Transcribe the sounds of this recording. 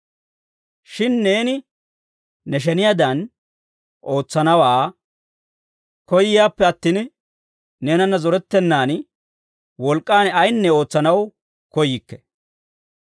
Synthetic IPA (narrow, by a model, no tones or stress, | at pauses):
ʃɪnːe̞ːnɪː | ɛʃ̬ɛnɪjaːd̪ɐn | ʔo̞ːt͡sːɐnɐwaː | kɔjːɪjaːpːɛɐt̪ːiːn | neːnɐnːɐzɔɾɛt̪ːɛnːaːn | wɔlkʼːaːnɐjnːɛo̞ːt͡sːɐnɐw | kɔjɪkːɛ̥